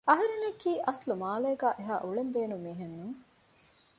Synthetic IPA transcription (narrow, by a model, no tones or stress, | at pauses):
ɐɦɐɾunekːiːʔɐslumaːlɐjɐɡaːʔeɦaːʔuɭembeːnumiːɦenːuŋ